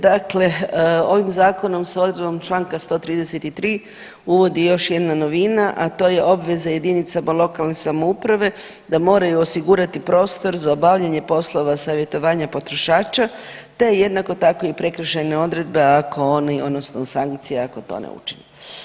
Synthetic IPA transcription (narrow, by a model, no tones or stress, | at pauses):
d̪akle̞o̞ʋimzaːko̞no̞msaod̪ɾed̪bomt͡ʃlˠaːŋkast̪o̞ːt̪ɾiːd̪eset̪it̪ɾiː | uʋo̞d̪ijo̞ʃje̞d̪nano̞ʋinaʔat̪o̞je̞ʔo̞bʋe̞zaje̞d̪init̪samalˠo̞kalˠne̞samoupɾaʋe̞ | d̪amo̞ːɾajuosiɡuɾat̪ipɾo̞ːst̪o̞ɾzaobaʋʎaɲe̞po̞slˠo̞ʋasaʋje̞t̪o̞ʋaːɲapo̞t̪ɾo̞ʃaːt͡ʃat̪e̞je̞d̪nako̞t̪ako̞ipɾe̞kɾ̩ʃene̞o̞d̪ɾe̞d̪̚be̞ako̞oniod̪no̞snosaŋkt̪sijeako̞t̪o̰nḛṵt͡ʃine